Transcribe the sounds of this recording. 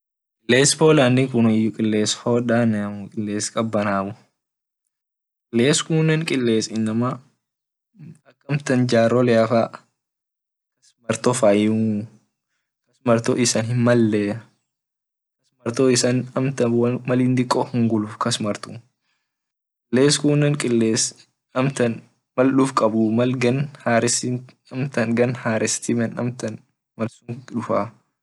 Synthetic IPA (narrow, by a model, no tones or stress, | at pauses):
kʼɪlːeːsfoːlanːɪkʊnɪjʊkʼɪlːeːsfoːᶑanmʊkʼɪlːeːskʼɐbːɐnaːbʊ | kʼɪlːeːskʊnːɛnkʼɪlːeːsɪnːɐma | ɐkːɐmt̪ɐnd͡ʒaːɾɔlɛafa | kɐsmɐɾt̪ɔfaju | kɐsmɐɾt̪o̰ʔɪsɐnhɪnmɐlːɛ | kɐsmɐɾt̪oːɪsɐnɐmt̪ɐwɐmɐlind̪ɪkʼːɔhʊŋɡʊluːfkɐsmɐɾt̪u | kʼɪlːeːskuːnːɐŋkʼɪlːeːs | ɐmt̪ɐn | mɐlɗʊfkʼɐbʊmɐlɡɐnhaːɾɪsi | ɐmt̪ɐnɡɐnhaːɾɪst̪imɛnɐ̰mt̪ɐn | mɐlsʊŋᶑʊfa